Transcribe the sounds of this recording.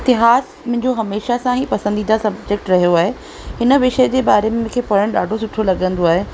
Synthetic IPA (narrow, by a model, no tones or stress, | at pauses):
ɪt̪ɪɦaːs | mʊ̃ɦɪ̃ɲd͡ʑoɦɐmeːʃasãɦipɐsə̃nd̪ind̪asɐbd͡ʑek̚ʈɾɐɦijoaːɦe | ɦɪnə̆ʋɪʃəd͡ʑeːɓaːɾemẽm̃kʰeːpɐɾəɽ̃ɗa̰ːɖʱosʊʈʰolɐɠə̃nd̪oaːɦe